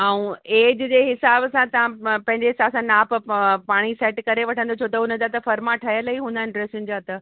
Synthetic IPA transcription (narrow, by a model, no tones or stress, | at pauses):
aːũeːd͡ʑd͡ʑeɦɪsaːbsãt̪ɐʋ̤ãpɐ̃ɦɪ̃ɲd͡ʑeɦɪsaːbsãnaːppaːɽ̃iseːʈkɐɾeʋɐʈʰə̃nd̪ot͡ɕʰot̪əʊnəd̪at̪ɐfɐɾmaʈʰɐjələɦiɦũnd̪ʱanɪɖɾeːsĩŋd͡ʑat̪ə